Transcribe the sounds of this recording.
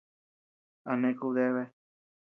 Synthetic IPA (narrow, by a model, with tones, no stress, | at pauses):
a˧nẽ˧ku˧ðe˦βe˧